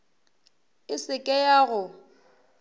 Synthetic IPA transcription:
ɪsɪkʼɛjaːɣʊ

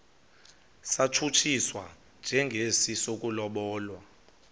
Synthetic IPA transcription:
satʰut͡ʃʰiswa | nd͡ʒʱɛŋɡʱesisok̬ʼulɔɓɔːlwa

